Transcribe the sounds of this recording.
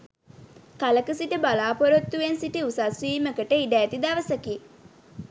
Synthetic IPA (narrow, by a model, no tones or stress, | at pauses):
kaləkəsiʈəbalaːpoɾot̪ːuʋensiʈiusasʋiːməkəʈəiɖæːt̪id̪aʋəsəki